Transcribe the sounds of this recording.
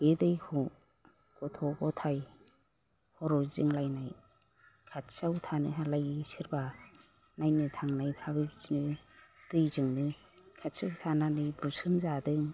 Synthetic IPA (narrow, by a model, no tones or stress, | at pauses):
edɯjkʰɔ | kɔtʰɔɡɔtʰaj | hɔɾɔzɯŋlajnaj | kʰatsawtʰanɯɦalajsɯɾba | najnɯtʰaŋnajpʰabɯbizinɯtɯjzɯŋnɯ | kʰat̚sawtʰananɯjbusɯmzadɯŋ